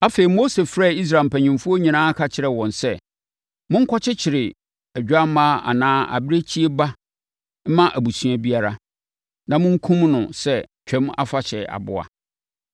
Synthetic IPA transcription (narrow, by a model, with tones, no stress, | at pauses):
a˦fe˨i˨mo˦se˨fɾa˦˨i˦s̬ɾa˨m̩˨pʰæ˨ɲɪ̃˨mfʊ˦o˦ɲĩ˨nãː˦kʰa˦t͡ɕʰɪ˦ɾɛ˨wɔ̃˨nsɛ˦ | mʊ̃˦ŋ̩˦kʰɔ˦t͡ɕʰɪ˦t͡ɕʰɪ˨ɾɪ˨ | æ˨d͡ʑᶣa˦m˦mãː˦a̰˨nãː˦a̰˨bɪ˦ɾe˦t͡ɕʰi˦e˦ba˦ | m̩˦mã˦ʔæ˨bu˨sũ˦a˦bi˦a˦ɾa˦ | nã˨mʊ̃˦ŋ̩˦kʰũ˦mnʊ̃˨sɛ˦t͡ɕᶣʰɛ̃˦ma̰˦fa˨t͡ɕʰɛ˨a̰˨bʊ̰˦a̰˨